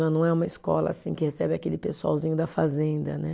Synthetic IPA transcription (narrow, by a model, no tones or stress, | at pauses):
anɐ̃w̃ɛũmɐiskɔ̰lɐ̰asĩkɪhesɛbɪakelɪpesua̰wzĩɲʊd̪ɐfazẽnd̪ɐ̰nɛ